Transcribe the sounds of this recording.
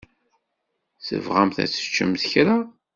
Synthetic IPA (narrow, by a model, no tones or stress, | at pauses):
θə̰vʁæmθæ̰t͡sːə̥t͡ʃːə̰mθçɾa